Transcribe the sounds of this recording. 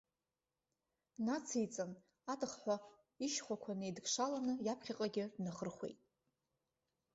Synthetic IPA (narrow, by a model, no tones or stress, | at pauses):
nat͡sʰijt͡sʼɨn | atɨχħʷa | iʃχʷakʷʰanɨjdɡʂalanɨjapʰχʲaqʼaɡʲɪdnaχərχʷḛjtʼ